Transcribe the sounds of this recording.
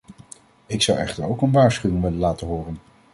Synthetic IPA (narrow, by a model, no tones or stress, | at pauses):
ɪksɑwɛ̰χtəɹowkənʋaːɹsχywɪŋʋɪlənlaːtəɦʊːrən